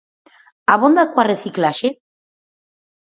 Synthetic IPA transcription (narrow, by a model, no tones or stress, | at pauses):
aβond̪akwareθiklaʃe